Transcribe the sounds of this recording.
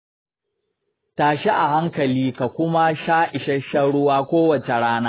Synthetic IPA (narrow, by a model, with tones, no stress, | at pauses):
taː˨ʃi˦ʔa˨ha˦ŋkɐ˨liː˦ka˨kʷʊ˦ma˦ʃaː˦ʔɪ˨ʃɐ˦ʃɐ˦ɽʊ˦waː˦kʷoː˦wɐ˨t͡ʃe˨ɽaː˦naː˦